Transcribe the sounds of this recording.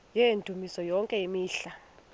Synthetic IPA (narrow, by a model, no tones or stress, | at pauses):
jendʱumisɔjɔŋkʼɛimiːɬa